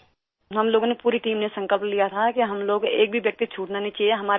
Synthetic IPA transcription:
ɦɐmloːɡõnepuːɾiʈiːmnesɐ̃ŋkəlplijat̪ʰakiɦɐmloːɡḛːk̚bʱiʋjɐk̚t̪it͡ʃʰuːʈnanĩt͡ʃieɦɐmaːɾ

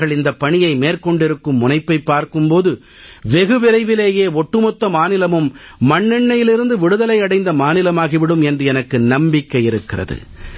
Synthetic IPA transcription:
ɣɐɭɪnd̪ɐpːɐɳɪjɐɪmeːrkɔɳɖɪɾɯkːɯmːʊnɐɪpːɐɪpːaːɾkɯmpoːðɯ | ʋɛɣɯʋɪɾɐɪʋɪleːjeːɔʈːɯmɔt̪ːɐmaːnɪlɐmɯmː | ɐɳːɛɳːɐjɪlɪɾɯnd̪ɯʋɪɽɯðɐlɐɪɐɽɐɪnd̪ɐmaːnɪlɐmaːɣiʋɪɽɯmɛndrɯɛnɐkːɯnɐmbɪkːɐjɪɾɯkːɪrɐ̰ðɯ̰

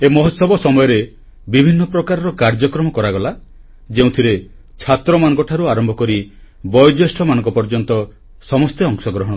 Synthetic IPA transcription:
emɔɦɔt̪sɔbɔsɔmɔjɔɾe | bibʱinːɔpɾɔkaɾɔɾɔkaɾd͡ʒɔkɾɔmɔkɔɾaɡɔla | d͡ʒeũt̪ʰiɾe | t͡ʃʰat̪ɾɔmanɔ̃ŋkɔʈʰaɾuaɾɔmbʱɔkɔɾi | bɔjɔd͡ʒesʈʰɔmanɔ̃ŋkɔpɔɾd͡ʒɔnt̪ɔ | sɔmɔst̪eɔŋsɔɡɾɔɦɔɽ̃

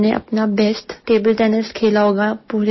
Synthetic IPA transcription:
neʔɐ̰pnabɛːsʈːeːbəlʈɛːnəskʰeːlaɦoːɡapuːɾ

